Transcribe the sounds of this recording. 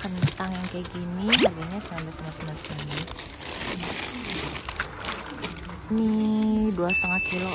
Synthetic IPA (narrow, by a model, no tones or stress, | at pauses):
kənt̪aŋjaŋkajaɡiniarɡaɲasəŋambasanasanasənani | niduast̪əŋat̪̚kilo